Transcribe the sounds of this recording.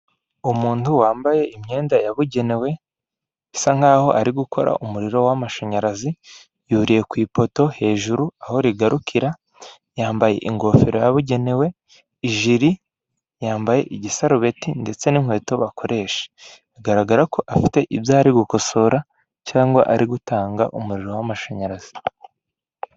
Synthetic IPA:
umuːntuwaːmbaje̞ʔimɲe̞ːndajaβuɟe̞ne̞we̞ | saŋ̥haːho̞̰ʔaɾiɡuko̞ɾa̰umuɾiɾo̞wamaʃoɲaɾazi | juːɾije̞kwiːpo̞to̞he̞ːʒuɾuaho̞ɾiɡaɾukʰiɾa | jaːmbaje̞̰ʔiŋɡo̞fiɾo̞jaβuɟe̞ne̞we̞ | iʒiɾi | jaːmbaje̞̰ʔiɟisaɾuβe̞tinde̞t͡se̞niŋ̥hwe̞ːto̞βakʰo̞ɾʔe̞ʃe̥ | aɡaɾaɡaɾako̞ʔafi̥te̞ʔibjaːɾiɡuko̞so̞ɾa | caːŋɡwa̰ʔaɾiɡutaːŋɡa̰ʔumuɾiɾo̞wamaʃaɲaɾaz̥i̥

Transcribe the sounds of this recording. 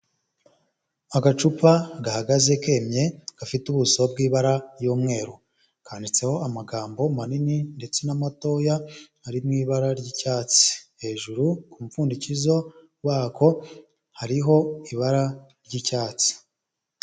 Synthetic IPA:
aɡat͡ʃupaɡahaɡaze̞ke̞mɲe̞ɡ̥afituβusob̚ɡiːβaɾajuːmŋe̞ːɾo | kʰaːndit͡se̞ho̞amaɡaːmbo̞manininde̞t͡se̞namato̞jahaɾimŋiːβaɾaɾɟicaːt͡si̥he̞ːʒuɾukumufuːndicizo̞ | waːko̞ | haɾiɦo̞iβaɾaɾɟicaːt͡si̥

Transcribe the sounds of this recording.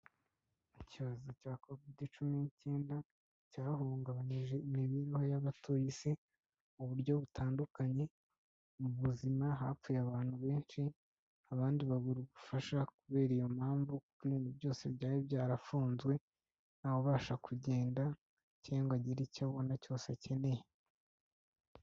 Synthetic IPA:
uciβazocaːko̞viːdit͡ʃuminice̞ːnda | caːhuːŋɡaβaɲiʒe̞imiβiɾiho̞jaβatʰojise | uβuɾɟo̞βutʰaːndukaɲe̞ | muβuzimaɦaːp͡fujeaβaːn̥huβe̞ːnʃi | aβaːndiβaɡuɾuɡufaʃakuβe̞ːɾijo̞m̥haːɱvukukuiːndubjo̞ːse̞bɟaːɾiβɟaːɾafuːnzɡwe̞ | naːβoβaːʃakʰuɟe̞ːnda | ceːŋɡwaɟiɾicaβo̞naco̞ːse̞ce̞ne̞je

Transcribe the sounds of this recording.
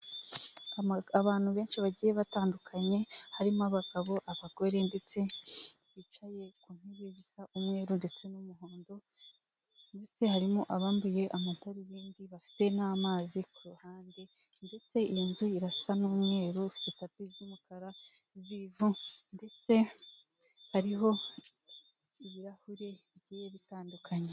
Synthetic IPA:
aβaːn̥huβe̞ːnʃiβaɟiːje̞βataːndukʰaɲe̞haɾimoaβaɡaβo̞ʔaβaɡ̥o̞ɾe̞nde̞t͡se̞βit͡ʃaje̞kuːn̥eβezisaʔumŋe̞ːɾunde̞t͡se̞numuɦo̞ːndo̞ | nde̞t͡se̞haɾimoʔaβaːmbuje̞ʔamataɾijiːndiβafi̥te̞naːmaːzikuɾuhaːnde | nde̞t͡se̞ijinzuiɾasanuːmŋe̞ːɾufi̥tetapizumukʰaɾa | zivunde̞t͡se̞ | haɾiɦo̞ | iβiɾahuɾe̞βiɟiːje̞βitaːndukʰaɲe

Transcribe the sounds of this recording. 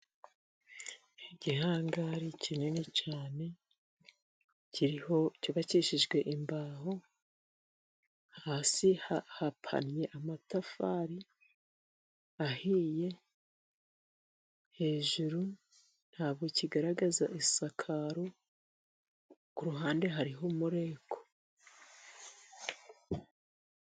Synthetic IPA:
hiɟihaːŋɡaɾicʰinenet͡ʃaːne̞ | cʰiɾiho̞coβat͡ʃiʃiʒɡwe̞ʔimbaːɦo | haːsihahapʰa̰nje̞ʔamatafaːɾi | ahiːje̞ | he̞ːʒuɾu | n̥haːβɡo̞ciɡaɾaɡazaʔisakʰaɾo | kuɾuɦaːnde̞ɦaɾiɦomuɾe̞ːkʰo̞̥

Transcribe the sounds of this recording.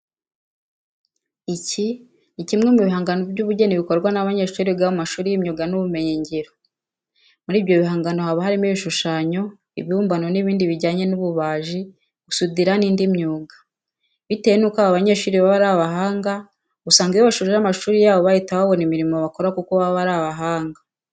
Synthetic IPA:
ici | nicimŋemuβiɦaːŋɡano̞bɟuːβuɟe̞niβiko̞ɾɡwanaβaɲe̞ːʃuːɾiɡaβumaʃuːɾijimɲuːɡanuβume̞ɲeɲɟeɾo | muɾiːβjo̞βiɦaːŋɡano̞haβaɦaɾimiβiʃuʃaːɲo̞ | ḭβiuːmbano̞niβiːndiβiɟaːɲenuβuβaːʒi | ɡusudiɾaniːndimɲuːɡḁ | βite̞jenukaβaβaɲe̞ːʃuːɾiβaβaɾaβaɦaːŋɡa | usaːŋɡajoβaʃuːɾiɾamaʃuːɾijaːβo̞βajitaβaβo̞nimiɾimo̞βakoɾakukoβaβaɾaβaɦaːŋɡa

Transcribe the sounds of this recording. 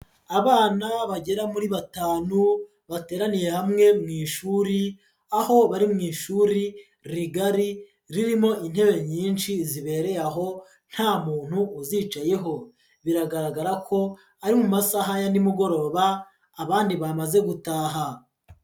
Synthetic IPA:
aβaːnaβaɟe̞ɾamuɾiβataːnu | βateːɾanije̞hamŋe̞mŋiːʃuːɾi | aho̞βaɾimŋiːʃuɾi | ɾiɡaɾi | ɾiɾimo̞ʔinhe̞βe̞ɲiːnʃiziβe̞ːɾe̞jaɦo̞ | n̥haːmuːn̥huːzit͡ʃaje̞ɦo̞ | βiɾaɡaɾaɡaɾakʰo̞ | aɾimumasaɦajandimuɡo̞ɾo̞ːβaː | βaːndiβamaze̞ɡutaːɦa

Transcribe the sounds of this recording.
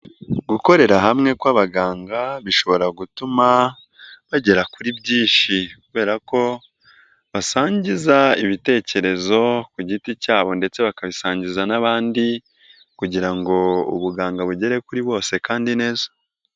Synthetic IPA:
ɡuko̞ɾe̞ɾaɦamŋe̞kwaβaɡaːŋɡaβiʃo̞βo̞ɾaɡutuma | βaɟe̞ɾakuɾibɟiːʃikuβe̞ːɾako̞ | βasaːɲɟizaiβite̞ːce̞ɾe̞zo̞kuɟiticaːβo̞nde̞t͡se̞βakaβisaːɲɟizanaβaːndi | kuɟiɾaŋɡo̞ṵβuɡaːŋɡaβuɟe̞ɾe̞kuɾiβo̞ːse̞kaːndine̞ːzḁ

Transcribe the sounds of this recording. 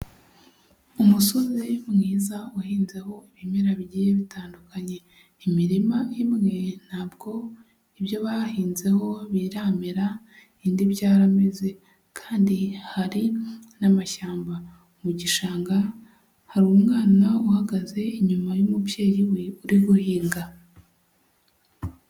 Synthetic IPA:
umuso̞zemŋiːzauhiːnze̞ho̞iβimeɾaβiɟiːjeβitʰaːndukaɲe̞ | imiɾimaimŋe̞n̥haːbɡo̞ | iβjo̞βahiːnze̞ho̞βiɾaːmeɾa | indiβɟaːɾameze̞ | kʰaːndihaɾinamaʃaːmba | muɟiʃaːŋɡa | haɾuumŋaːnauhaɡaze̞iɲumajumupje̞ːɾiweuɾiɡuhiːŋɡa

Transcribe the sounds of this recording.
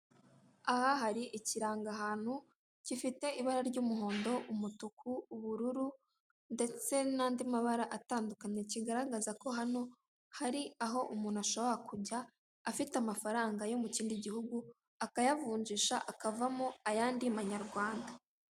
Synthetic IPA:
ahaɦaɾiʔiciɾaːŋɡaɦaːn̥hu | cifite̞ʔiβaɾaɾɟuːmuɦo̞ːndo̞ʔumutukʰuːβuɾuɾu | nde̞t͡se̞naːndimaβaɾaʔataːndukaɲe̞ciɡaɾaɡazako̞ɦano | haɾiaɦo̞ʔumuːnuaʃo̞βo̞ɾakuɟaː | fitamafaɾaːŋɡajo̞muciːndiɟihuɡu | akajavuːɲd͡ʒiʃaʔakavamoajaːndimaɲaɾɡwaːnda

